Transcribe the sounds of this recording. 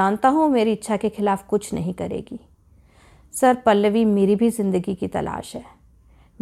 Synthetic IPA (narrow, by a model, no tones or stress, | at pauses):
aːnt̪aɦũmeːɾiɪtːʃʰakexɪlaːfkʊt͡ʃʰnɐ̰ɦĩkɐɾḛːɡiː | sɐɾpɐlːəʋimeːɾibʱizɪ̃nd̪əɡikit̪ɐ̰lʔa̰ːʃɦɛː | m